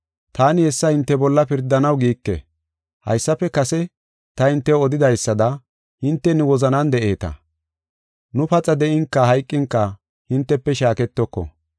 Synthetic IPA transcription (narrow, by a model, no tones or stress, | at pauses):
t̪ʰaːnɪhɛsːɐhɪnt̪ːɛbɔlːɐpɪɾd̪ɐnɐwɡiːkːɛ̰ | hɐ̰jsːɐpːɛkɐsɛ | t̪ɐhɪnt̪ːɛɔd̪ɪd̪ɐjsːɐd̪ɐ | hɪnt̪ːɛnɪwɔzɐnɐnd̪ɛʔe̞ːt̪ɐ̰ | nʊpɐt͡sʼɐd̪ɛʔɪŋkːɐɦɐjkʼːɪŋkːɐ | hɪnt̪ːɛpːɛʃaːkɛt̪ːɔkːɔ̰